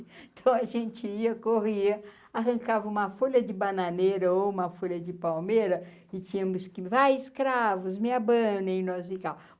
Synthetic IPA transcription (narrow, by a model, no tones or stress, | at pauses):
ẽt̪ʰɐ̃w̃ɐʒẽnt͡ʃɪiɐkoɦiɐ | aɦɐ̃ŋkavɐũmɐfoʎɐd͡ʒɪbananeɾɐoũmɐfoʎɐd͡ʒɪpawmeɾɐ | ɪt͡ʃĩɲɐmʊskɪvajɪskɾavʊzmĩɐbɐ̃nɐ̃ɪ̃nɔzikaw